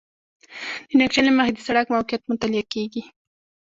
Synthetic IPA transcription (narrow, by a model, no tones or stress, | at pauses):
d̪ənak̚t͡ʃalemahid̪isaɽakmawkjat̪mʊnt̪alɪjakeɡi